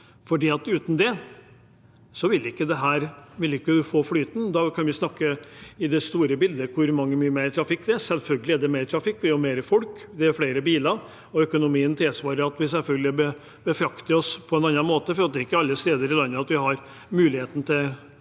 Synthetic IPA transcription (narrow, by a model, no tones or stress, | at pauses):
fɔɖiːɑt̪ʉːt̪nd̪ɛ | sɔʋɪlɪkːəd̪ɛɦæːɾʋɪlɪkːəd̪ʉfoːflyːt̪n̩d̪ɑkʰɑnʋɪsnɑkːəɪd̪ɛst̪uːɾəbɪld̪əkʰʊɾmɑŋːəmyːəmeɪɾt̪ʰɾɑfɪkːd̪ɛæsɛlfœlɡəlɪæɖɛmeɪɾt̪ʰɾɑfɪkːʋɪjɔmeːɾəfɔlk | d̪ɛæɾfleːɾəbiːlɑ | ɔœkʊnʊmiːənt̪ʰɪlsʋɑːɾəɾɑt̪ʋɪsɛlfœlɡəlɪbə | bəfɾɑkt̪əɾɔspʰɔɛnɑnːɑnmoːt̪əfɔɾɑt̪̚d̪ɛɪkːəɑlːəst̪eːd̪əɾɪlɑnːəɑt̪ʋɪɦɑɾ | mʉːlɪheːt̪nət̪ʰɪl